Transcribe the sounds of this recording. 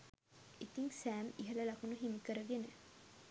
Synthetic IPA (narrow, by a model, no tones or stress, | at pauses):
it̪iŋsæːmiɦɐlɐlɐkunuɦimikəɾəʋjenə